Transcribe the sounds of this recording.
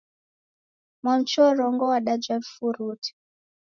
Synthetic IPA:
mɔnt͡ʃɔɾɔŋɡɔwaɗad͡ʒavfuɾuti̥

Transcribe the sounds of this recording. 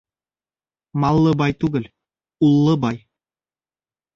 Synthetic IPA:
mɑlˠːɤbɑjt̪uɡɘ̆lʲ | ulˠːɤbɑj

